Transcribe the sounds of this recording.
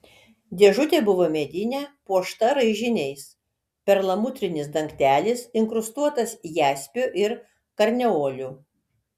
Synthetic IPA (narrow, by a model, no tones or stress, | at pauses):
d̪ʲeɛʒʊt̪ʲeːbʊʋoːmʲeːd̪ʲɪnʲɛpuɔʃt̪ɐɾɐɪʒʲɪnʲɛɪs | pʲɛɾlˠɐmʊt̪ʲɾʲɪnʲɪsd̪ɐŋkt̪ʲæːlʲɪsɪŋkɾʊst̪uɔt̪ɐsjæːsʲpʲoʔɪɾ | kɐɾʲnʲɛoːlʲu